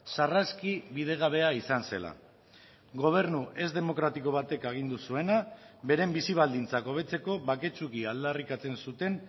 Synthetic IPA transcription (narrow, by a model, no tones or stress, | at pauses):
saraskiβið̞e̞ɣ̞aβ̞e̞aisanse̞la̰ | ɡo̞β̞e̞ɾnuʔe̞zd̪e̞mo̞kɾat̪iko̞β̞at̪e̞kaɣ̞ind̪usue̞na | be̞ɾe̞mbisiβ̞ald̪int͡sako̞β̞e̞t͡se̞ko̞βake̞t͡ʃukiald̪arikat͡se̞nsut̪e̞n